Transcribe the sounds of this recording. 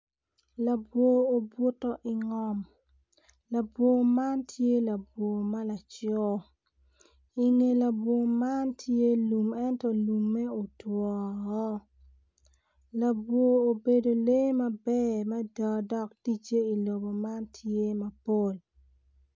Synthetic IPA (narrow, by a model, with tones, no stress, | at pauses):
la˨bwo˨o˨bwu˦tɔ˦ʔi˨ŋɔ˦m | la˨bwo˨ma˦ntʰje˦la˨bwo˨ma˦la˨t͡ʃɔ˦ | i˨ŋe˨la˨bwo˨ma˦ntʰje˦lu˨mɛ˦ntɔ˦lu˨mːɛ˦o˨twɔ˨ŋɔ˦ | la˨bwoː˨be˨do˨le˦ma˦bɛ˦ma˦da˨dɔ˦kti˦t͡ʃe˦i˨lo˨bo˨ma˦ntʰje˦mɐ˨po˦l